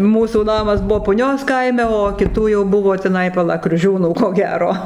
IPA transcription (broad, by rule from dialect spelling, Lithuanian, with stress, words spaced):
ˈmuːsuː ˈnɑːmɐs ˈbʊʋoː pʊˈnʲoːs ˈkɐɪmʲɛ oː kʲɪˈtuː jɛʊ ˈbʊʋoː tʲɪˈnɐɪ pɐˈlˠɐ krʲʊˈʒʲuːnuː koː ˈɡʲæːroː